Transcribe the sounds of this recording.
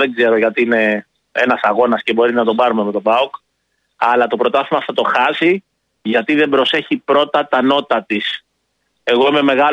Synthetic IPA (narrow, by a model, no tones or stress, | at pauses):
eɡze̞ɾo̞ʝɐt̪iine̞ | enɐsɐɣo̞nɐsce̞bo̞ɾinɐt̪o̞bɐɾumeme̞t̪o̞bɐok | ɐlɐt̪o̞pɾo̞t̪ɐθimɐθɐt̪o̞xɐsi | ʝɐt̪iðe̞bɾo̞se̞çipɾo̞t̪ɐt̪ɐno̞t̪ɐt̪is | e̞ɣo̞ime̞me̞ɣɐ